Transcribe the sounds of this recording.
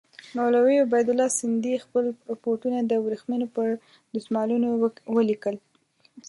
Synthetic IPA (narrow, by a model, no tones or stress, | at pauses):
nolawejobajd̪ʊlːɑsɪnd̪ixpəlɾapoɾʈunad̪əwɾixmenopəɾ | d̪usmɑlunowwəlikəl